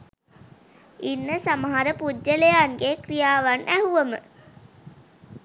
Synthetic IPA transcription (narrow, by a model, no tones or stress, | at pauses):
inːəsaməɦaɾəpudd͡ʒəlejanɡekrijaːʋanʔæɦuʋəmə